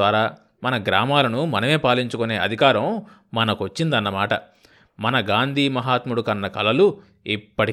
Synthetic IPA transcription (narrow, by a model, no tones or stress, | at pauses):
aːɾaː | mɐnɐɡɾaːmaːlɐnumɐnɐme̞ːpaːliɲt͡ʃukune̞ːɐd̪ʱikaːɾɐmː | ɐnɐkʋɐt͡ʃːind̪ɐnːɐmaːʈɐ | mɐnɐɡaːnd̪ʱiːmɐɦaːt̪muɽukɐnːɐkɐlɐlu | ipːɐʈ